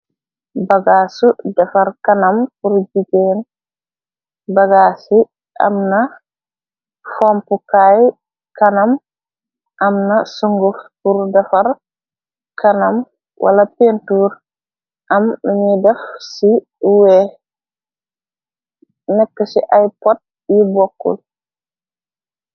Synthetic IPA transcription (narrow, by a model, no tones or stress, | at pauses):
baɡasudɐfaɾkanampuɾd͡ʒiɡɛn | baɡaːsi | ʔa̰mna | fampukaj | kanam | ʔamnasuŋɡufpuɾdɐfɐɾ | kʰɐnɐm | wʔa̰lɐpentuɾ | ʔɐmɲidɛfsi | wɛ | nɛkːəsiʔajpɔt̚ | jibɔkːṵl